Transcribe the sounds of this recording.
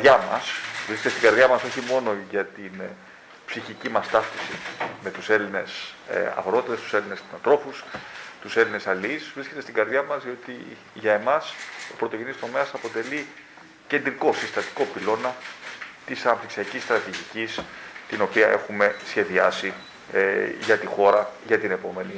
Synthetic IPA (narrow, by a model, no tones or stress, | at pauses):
ʝɐmɐ̰svɾisket̪est̪iɡɐɾðʝɐmɐso̞çimo̞no̞ʝɐt̪in | psiçicimɐst̪ɐft̪isḭme̞t̪use̞line̞sɐ̰ɣɾo̞t̪it̪est̪u̥se̞linesnɐnt̪ɾo̞fust̪use̞line̞sɐliisvɾiske̞t̪est̪iɡɐɾðʝɐmɐzðio̞t̪ḭ | ʝɐe̞mɐso̞pɾot̪o̞ʝenist̪o̞meɐsɐpo̞t̪e̞li | ce̞nd̪ɾiko̞sist̪ɐt̪i̥ko̞pilo̞nɐt̪isɐnɐp̚t̪iksiɐcist̪ɾɐt̪iʝicist̪ino̞piɐʔe̞xume̞sçe̞ðiɐsi | ʝɐt̪ixo̞ɾɐʝɐt̪ine̞po̞me̞ni